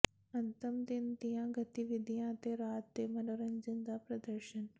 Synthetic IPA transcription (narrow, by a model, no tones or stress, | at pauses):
ɐnt̪ɐmd̪ind̪ijãːɡɐt̪iʋid̪ʱijãːt̪eːɾaːt̪ːeːmɐnoɾɐɲd͡ʒɐnd̪aːpɾɐd̪ɐɾʃɐn